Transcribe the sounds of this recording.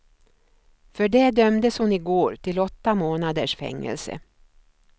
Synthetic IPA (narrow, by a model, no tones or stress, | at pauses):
fœɖɛd̪œmd̪əshʊnɪɡoːɾʈ̪ʰɪlɔt̪ːamoːnad̪əʂfɛ̰ŋːɛ̰lsə̰